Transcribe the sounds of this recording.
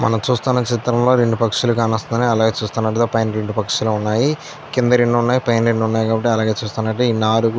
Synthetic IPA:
mɐ̰nɐmt͡ʃuːst̪aːnːɐt͡ʃit̪ɾɐmlo̞ːɾeɳɖupɐkʂulukaːnɐst̪ɐnd̪ɐniɐlaːɡeːt͡ʃuːst̪aːnːɐʈɐt̪opɐjnɾe̞ɳɖupɐkʂulounːaːji | kind̪ɐɾeɳɖuunːaːjipɐjnɾeɳɖunːaːjikaːbɐʈ̬ːiɐlaːɡeːt͡ʃuːst̪aːnɐʈːeiːnaːɾu

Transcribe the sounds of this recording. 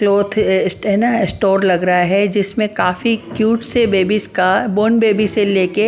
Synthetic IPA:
kloːt̪ʰsɦɛnaɪsʈoːɾlɐɡɾɐɦaɦɛd͡ʒɪsmẽkaːfikjuːʈsebeːbiskaboːnbeːbiseleːke

